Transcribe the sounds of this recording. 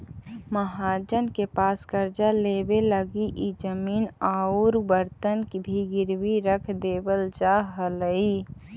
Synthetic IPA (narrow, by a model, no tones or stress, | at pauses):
məɦaːd͡ʒənkepaːskəɾd͡ʒaleːbeləɡiʔid͡ʒəmiːnaːuɾbəɾt̪ənkibʱiɡɪɾwiɾəkʰd̪eːbəld͡ʒaɦələi